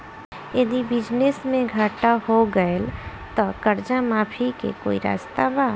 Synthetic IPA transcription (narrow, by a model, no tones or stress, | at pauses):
jəd̪ibɪd͡ʒnesmẽɡʱaːʈahoɡəel | t̪ɔkəɾd͡ʒamaːpʰikḛko̰ːiɾa̰ːst̪abaː